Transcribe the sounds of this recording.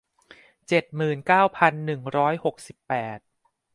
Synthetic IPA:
t͡ɕe˨˩t̪̚mɯː˨˩nkaː˥˩wpʰa˧nːɯ˨˩ŋɾɔː˦˥jho˨˩k̚si˨˩pːɛː˨˩t̪̚

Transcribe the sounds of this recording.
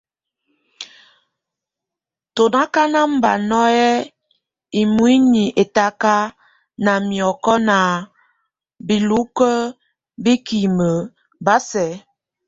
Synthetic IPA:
to˨na˦ka˦na˦m̩˦ba˨nɔ˦ɛ˦ | i˨mwi˦ni˨ʔe˨ta˦ka˦ | na˨mjɔ˨kɔ˦na˨ | bi˨lu˦kə˦ | bi˦ki˨mə˨ | ba˦sɛ˨˦

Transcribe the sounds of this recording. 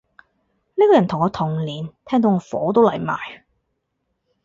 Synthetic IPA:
niː˥kɔː˧jɐ˨˩nt̪ʰʊ˨˩ŋɔː˧t̪ʰʊ˨˩ŋliː˨nt̪ʰɛː˥ŋt̪o˧wŋɔː˨˧fɔ̰ː˨˥t̪o˥wlɐ˨˩jmaː˨˩j

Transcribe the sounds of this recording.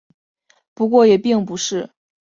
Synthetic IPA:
pu˧˥kwɔ˥˩jɛ˨˩pi˥˩ŋpu˧˥ʂɻ̩˥˩

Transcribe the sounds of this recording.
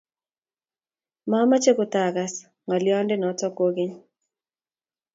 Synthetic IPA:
ma˦ma˦t͡ʃe˦kʊ˨ta˨ɡa˨s | ŋa˨ljɔ˦ndɪ˦nɔ˨˦tɔ˦ko˦ɡɪ˦ɲ

